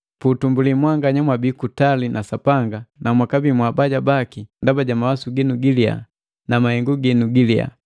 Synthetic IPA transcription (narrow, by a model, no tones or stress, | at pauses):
putumbulimwaŋɡaɲamwabikutalinʔasapaŋɡanamwakabimwabaɟabakindabaɟamawasuɡinuɡilia̰ | namahɛŋɡuɡinuɡilia̰